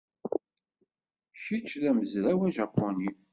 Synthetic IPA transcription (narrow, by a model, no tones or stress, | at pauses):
ʃit͡ʃːðæməzlæwæʒɑpːoni